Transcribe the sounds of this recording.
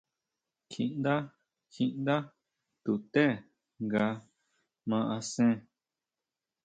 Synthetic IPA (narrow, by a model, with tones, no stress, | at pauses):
kʰĩ˧ʔnd̪a˦ | kʰĩ˧ʔnd̪a˦ | t̪u˨t̪e˦˨ | ŋɡa˧ | mã˧ʔa˧sẽ˦